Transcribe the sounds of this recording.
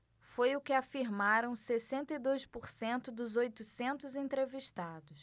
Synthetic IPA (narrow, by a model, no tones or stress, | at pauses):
fojʊkɪafiɾmaɾɐ̃w̃sesẽnt̪ɐid̪ojspoɾsẽnt̪ʊd̪ʊzojt̪ʊsẽnt̪ʊzẽnt̪ɾeviʃt̪ad̪ʊs